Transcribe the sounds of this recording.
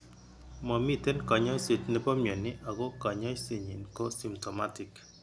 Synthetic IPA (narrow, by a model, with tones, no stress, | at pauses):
mɔ˨mi˦te˦nkɔ˨ɲɔ˦jse˨t͡ʃne˦pɔ˦mjɔ˨nɪ˦ʔa˨ko˦kɔ˨ɲɔ˦se˨ɲi˨nko˦si˨mtɔ˨ma˦tɪ˨k